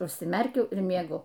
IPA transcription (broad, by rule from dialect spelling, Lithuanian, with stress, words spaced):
ʊʃʲsʲɪˈmʲɛrʲkʲɛʊ ɪr mʲiɛˈɡʊ